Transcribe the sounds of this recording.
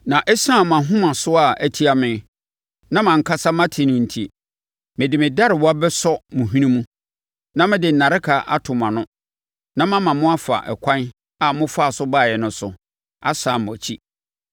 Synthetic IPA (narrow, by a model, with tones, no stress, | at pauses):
nã˨ʔɛ˦sã˦˨m˨ã˨ɦʊ̃˦mã˨sʊ˦a˨æ˨tʰi˦a˨mɪ̃˨ | nã˦mã˨ŋ̩˨kʰa˦sa˦mã˦tʰɪ˨nʊ̃˨n̩˨tʰi˨ | mɪ̃˨dɪ˨mɪ̃˨da˦ɾɪ˨wɔ˦a˦bɛ˦sɔ˦mʊ̃˨ɦĩ˦nĩ˦mũ˦ | nã˦mɪ̃˦dɪ˨n̩˨na˨ɾɪ˦kʰa˨ʔa̰˦tʰʊ˨mã˨nʊ̃˦ | nã˦mã˦mã˨mʊ̃˦a˦fa̰˨ʔɛ̰˨kʷʰã˦n | a˨mʊ̃˦fa˦˨sʊ˦baː˦˨jɛ˨nʊ̃˦sʊ̰˨ | a˦sa˨mʊ̃˨æ˨t͡ɕʰi˦